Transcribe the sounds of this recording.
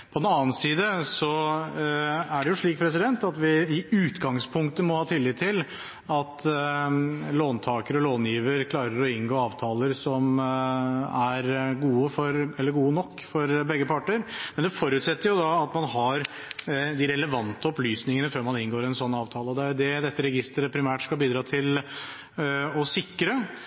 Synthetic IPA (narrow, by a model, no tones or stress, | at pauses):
pʰɔd̪ɛnɑːnsiːd̪əsɔ | æɖɛjʊʂɭiːk̚pʰɾɛsɪd̪ɛnt̪ɑt̪ʋɪɪʉːt̪ɡɑŋspʰʊŋkt̪əmɔhɑːt̪ʰɪlːɪt̪ʰːɪl | ɑt̪ | loːnt̪ʰɑːkəɾɔloːnjiːʋəɾkʰlɑːɾəɾɔɪnɡoːɑːʋt̪ʰɑːləɾsɔm | æɾɡuːəfɔɾɛlːəɾɡuːənɔkːfɔɾbɛɡːəpʰɑʈːəɾmɛnd̪ɛfɔɾʉt̪sɛt̪ːəɾjʊd̪ɑɑt̪mɑnɦɑɾ | d̪ɪɾɛləʋɑnt̪əɔplyːsnɪŋənəføːɾmɑnɪnɡoːɾɛnsɔnːɑːʋt̪ʰɑːləɔd̪ɛæɾjʊd̪ɛd̪ɛt̪ːəɾɛɡɪst̪əɾəpʰɾɪmæːʈskɑlbiːd̪ɾɑːt̪ʰɪl | ɔsɪkːɾə